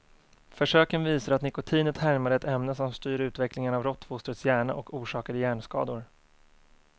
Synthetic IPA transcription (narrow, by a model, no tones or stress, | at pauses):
fœʂøːkənviːsaɾat̪nɪkʊt̪ʰiːnət̪hæɾmad̪əɛt̪ɛmnəsɔmst̪yːɾʉ̟ːt̪vɛklɪŋənavɾɔt̪ːfʊst̪ɾət̪sjæːɳa̰ʔɔkuːʂɑːkad̪əjæːɳskɑ̰ːd̪ʊɾ